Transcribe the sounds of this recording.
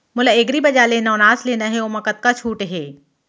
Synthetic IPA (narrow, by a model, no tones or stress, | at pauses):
mʊlaeɡɾibɐd͡ʒalenaonaːsleːnaɦɛoːmɐkət̪̚kat͡ʃʰuːʈɦɛː